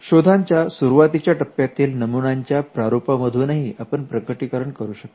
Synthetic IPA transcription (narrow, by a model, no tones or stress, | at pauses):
ɕod̪ʱaɲt͡ɕjasuɾuʋat̪it͡ɕjaʈəpːjat̪iːlnəmunaɲt͡ɕjapɾaɾopaməd̪ʱunaɦiʔapəɳpɾəkəʈikəɾəɳkəɾuːɕək̚t̪